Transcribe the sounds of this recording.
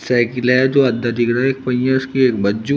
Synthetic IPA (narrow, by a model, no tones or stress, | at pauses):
sɛːkɪlɦɛd͡ʒoːɐd̪ːəd̪ikɾaeːk̚pɐijãʊskieːkbɐd͡ʒu